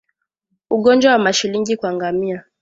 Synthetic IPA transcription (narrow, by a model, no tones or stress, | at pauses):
uɠɔnd͡ʒwawamaʃiliŋɡikwaŋɡamia